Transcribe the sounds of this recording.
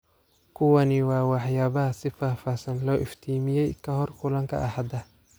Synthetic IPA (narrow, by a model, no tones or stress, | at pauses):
kʰʊwɐnɪwɑːwɑħjaːβɐɦɐsɪfaːfaːsɐnlɔːʔɪft̪ʰiːmɪjɛjkʰɐɦɔrkʰʊlɐŋkʰɐ̰ʔɐhɐd̪ɐ